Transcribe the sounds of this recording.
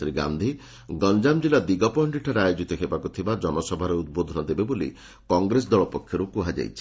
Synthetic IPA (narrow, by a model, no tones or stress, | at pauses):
ɾiɡa̰nd̪ʱi | ɡɔnd͡ʒamd͡ʒilad̪iɡɔpɔɳɖiʈʰaɾeajod͡ʒit̪ɔɦebakut̪ʰibad͡ʒɔnɔsɔbʱaɾeud̪̚bod̪ʱɔnɔd̪ebebolḭ | kɔŋɡɾes̬d̪ɔɭɔpɔkʰjɔɾukuɦad͡ʒa̰jt͡ʃʰi̥